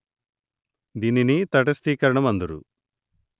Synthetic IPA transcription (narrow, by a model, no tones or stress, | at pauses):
d̪ininit̪ɐʈ̬ɐst̪iːkɐɾɐɳɐmɐnd̪uɾṵ